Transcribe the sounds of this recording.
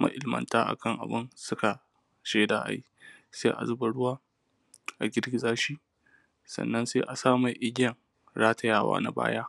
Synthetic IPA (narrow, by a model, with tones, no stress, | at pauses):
ma̰˨ʔɪ˨lmɐ̰˨ntaː˦ʔa̰˨kʰɐ˦ŋʔa̰˨bɪ˦nsʊ˦ka˨ | ʃeː˦daː˨ʔa̰˨ji˦seː˦ʔa̰˨zʊ˦ba˨ɽʊ˦waː˦ | ʔa˨ɡʲɪ˦rɡʲɪ˦zaː˦ʃiː˦ | sɐ̰˨nːɐ˦nseː˦ʔa˨saː˦ma˨ʔɪ˦ɡʲɐ˨ŋ | ɾaː˦ta˨jaː˦˨wa̰ː˦na̰˦ba̰ː˦jaː˦